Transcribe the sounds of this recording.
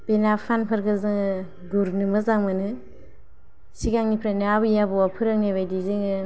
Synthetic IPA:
b̥enapʰanpʰaɾkʰɯzɯŋ | ɡuɾnɯmɯzaŋmɯnɯ | siɡaŋnipʰɾaneabɯjabɔwapʰɯɾɯŋneβajdizɯŋɯ

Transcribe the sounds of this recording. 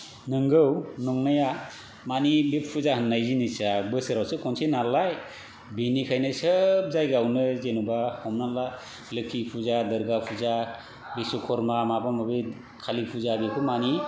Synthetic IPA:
nɯŋɡɯwnɔŋnaja | manibepʰːuzahɯnːajzinisabɯsɯɾawsɯkʰɔnsenalaj | benikʰajnɯsəp̚zajɡawnɯzenubahɔmnala | lɯkʰipʰuzadəɾɡapʰuza | bisɔkʰɔɾmamabamɔbe | kʰalipʰuzabekʰɯmani

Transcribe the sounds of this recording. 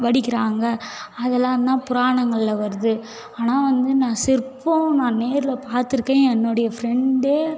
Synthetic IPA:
ʋɐɽɪkːɪɾaːŋɡɐɐðɛlːãːɾnãːpʊɾaːɳɐŋɡɐɭɪlɐʋɐɾɯðɯ | aːnaːʋɐnd̪ɯnãːsɪɾpːõnãːneːɾɪlɐpaːɾt̪ːɯɾɯkːẽːɛnːɔɽɐjɐfɾɛɳɖeː

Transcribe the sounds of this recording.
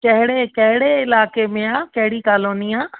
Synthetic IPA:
kɐɦɪɽekɐɦɪɽeɪlaːkemẽaːkɐɦɪɽikaːloːniaː

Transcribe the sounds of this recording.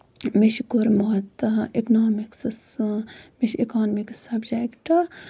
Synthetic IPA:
miʃkʊɾmɐɦɐt̪iknaːmikss | miʃikaːnmiksɐbd͡ʒekʈ

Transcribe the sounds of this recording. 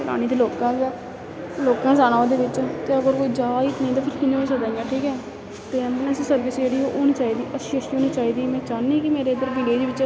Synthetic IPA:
ɾa̰ːñiːt̪iːloːkãːsɛː | loːkãːsaːnaːod̪eːʋɪt͡ʃt̪eːəɡəɾkoːiːd͡ʒaːit̪nə̃ĩt̪aːpʰɪɾkɪnẽesəd̪aːĩãʈʰiːkɛː | t̪eːɛːmlɛ̃ssəɾʋɪsd͡ʒeːɽiːoːʔoːñiːt͡ʃaːiːd̪iːʔəseʃoːniːt͡ʃaːiːd̪iːmɛ̃ːt͡ʃaːnĩːkɪmeːɾeːd̪əɾbɪ̃ɽeːd͡ʒiːʋɪt͡ʃ

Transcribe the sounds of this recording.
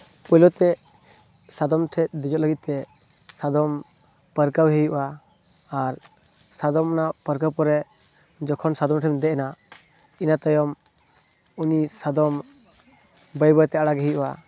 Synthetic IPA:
pɔjlɔt̪ɛ | sad̪ɔmʈʰɛt̪̚d̪ɛd͡ʒɔt̪ləɡit̪̚t̪ɛ | sad̪ɔm | pəɾkawɦejuʔʔaː | ɾ | sad̪ɔmnapəɾkawpɔɾɛ | d͡ʒɔkʰɔnsad̪ɔmʈʰɛmd̪ɛʔɛna | inat̪ajɔm | unisad̪ɔm | bəjbəjt̪ɛaɽaɡɦejuʔua

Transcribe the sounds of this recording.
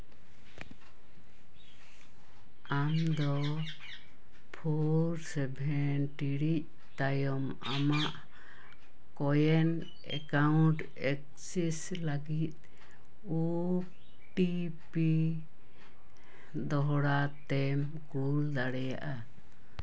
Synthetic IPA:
amd̪ɔ | pʰoɾsɛbʱɛnʈiɽic̚ | t̪ajɔm | a̰maʔ | kɔjɛn | ɛ̰kauɳʈ | ɛk̚ | sis | laɡit̪̚ | u | ʈi | pi | d̪ɔɦɽat̪ɛm | kuld̪aɽɛja̰ʔa

